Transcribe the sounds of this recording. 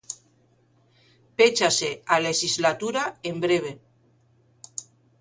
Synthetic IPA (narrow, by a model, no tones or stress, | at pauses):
pet͡ʃasealeʒizlat̪uɾaembɾeβe